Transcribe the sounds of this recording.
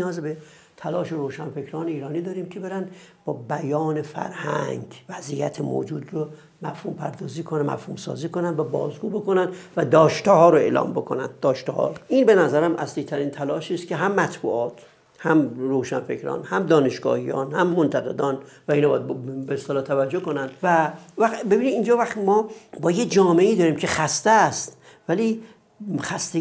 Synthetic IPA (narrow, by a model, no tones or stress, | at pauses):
ijɒːzbe | t̪ʰælɒːʃeɾoːʃænfe̞kʰɾɒːneiːɾɒːniːd̪ɒːɾiːmcʰe̞be̞ɾænbɒːbæjɒːne̞fæ̰ɾhæŋɡvæzijæt̪ʰemo̰ːd͡ʒuːd̪ro | mæfhuːmpʰæɾd̪ɒːziːkʰonmæ̰fhumsɒ̰ːziːkonænd̪væbɒ̰ːzɡuːbo̞ko̞nænd̪væd̪ɒːʃt̪ehɒːɾoe̞lɒ̰ːmbo̞kʰo̞næ̰nd̪ːɒːʃt̪ehɒ̰ːɾoʔiːnbe̞næzæɾæmʔæsliːt̪ʰæɾiːnt̪ʰælɒːʃiːst̪̚cʰe̞ɦæmːæt̪ʰbṵːʔɒːt̪ʰ | hæmroːʃæ̰nfe̞cɾɒ̰ːnhæmd̪ɒːne̞ʃɡ̥ɒ̰ːhijɒ̰ːnhæmmont̪ʰæɣe̞d̪ɒnvæinɒb̰jæd̪bbeest̪elɒːt̪ʰævæd͡ʒːokonænd̪̥vævæxbe̞biːnid̪ind͡ʒɒːvæxt̪imɒːbɒːjed͡ʒɒːmeiːd̪ɒːɾiːmcʰe̞xæst̪est̪ | væli | xæst̪e